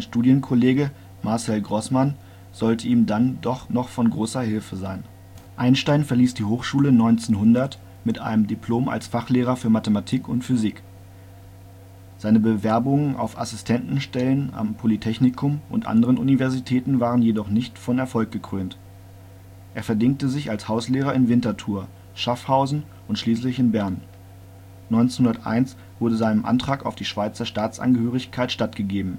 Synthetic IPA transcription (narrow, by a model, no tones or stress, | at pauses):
aɪnʃtuːdjənkʰɔleːɡə | maɐsɛlɡʁɔsman | z̥ɔltʰəiːmdandɔχnɔχfɔnɡʁoːsɐhɪlfəzaɪn | ʔaɪnʃtaɪnfɛɐliːsd̥iːhoːχʃuːlənɔʏnt͡seːnhʊndɐt | mɪtʔa̰ɪnəmdipʰl̥oːma̰lsfaχleːʁ̞ɐfyːɐmatəmatʰiːkʰʊntfyziːk | z̥aɪnəbəvɛɐbʊŋənʔa̰ʊfa̰sɪstʰɛntn̩ʃtɛləna̰mpʰolitʰɛçnɪkʰʊmʔʊ̰ntʔa̰ndəʁənʔṵnivɛɐzitʰɛːtn̩vaːʁənjedɔχnɪçtfɔnɛɐfɔlk̚ɡ̥əkʁ̥øːnt | ʔeːɐfɛɐdɪŋk̚təzɪçalshaʊsleːʁɐɪnvɪntɐtʰuːɐ | ʃafhaʊzn̩ | ʔʊntʃliːslɪçɪnbɛɐn | nɔʏnt͡snhʊndɐtʔa̰ɪns | v̥ʊɐdəzaɪnəmʔa̰ntʁ̥aːka̰ʊfd̥iːʃv̥aɪt͡sɐʃtaːt͡sʔa̰nɡəhøːʁ̞ɪçkʰaɪtʃtatɡ̥əɡeːbm̩